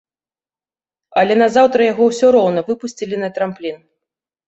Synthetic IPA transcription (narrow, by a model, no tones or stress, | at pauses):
ɐlʲɛnɐzawt̪ɾɐjaɣɔwsʲɔɾɔwnɐvɨpusʲt͡sʲilʲinɐt̪ɾamplʲin